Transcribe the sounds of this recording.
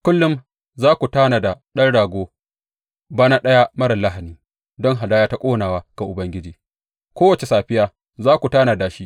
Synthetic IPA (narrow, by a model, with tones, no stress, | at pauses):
kʷʊ˦lːʊ˦m | zaː˦kʷu˨taː˦na˨da˨ɗɐ˦nɽaː˨ɡʷoː˦ | baː˦na˦ɗɐ˦ja˦mɐ˦ɾɐ˨la˦ɦa˨niː˦ | dɔ˦ŋɦa˨daː˦jaː˦ta˦kʷʼoː˦naː˨waː˦ɡ̥a˨ʔʊ˨bɐ˦ŋɡʲɪ˦d͡ʒiː˨ | kʷoː˦wɐ˨t͡ʃe˨saː˨ɸɪ˦jaː˦ | zaː˦kʷu˨taː˦na˨da˨ʃi˦ʔ